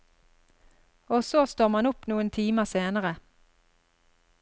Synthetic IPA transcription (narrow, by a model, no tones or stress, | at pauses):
oːsoːst̪oːmɑnʊpnuːənt̪ʰiːməseːnəʁə